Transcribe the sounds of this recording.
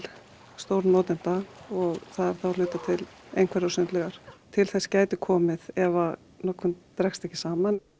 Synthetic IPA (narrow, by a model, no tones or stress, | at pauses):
st̪owɾnɔːt̪ɪnt̪aɣɔɣθaðɛɾ̥θaal̥ʏːt̪at̪ʰɪlḛjnkʰvɛɾasʏnt̪lɛɣaɾ̥t̪ʰɪlθɛscaːjt̪ɪkʰɔːmɪðɛva | nɔkʰʏmt̪ɾɛkst̪ɛhcːɪsaːman